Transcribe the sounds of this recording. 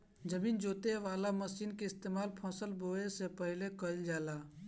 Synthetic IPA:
d͡ʒəmiːnd͡ʒoːt̪eʋaːlaməsiːnkeɪst̪eːmaːlpʰɔ̃ːsəlboesepəɦɪlekəld͡ʒaːla

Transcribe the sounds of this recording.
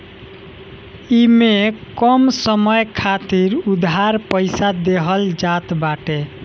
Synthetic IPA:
imekɔmsəməjkʰat̪iɾud̪ɦaɾpəɪsad̪eɦəld͡ʒat̪baʈe

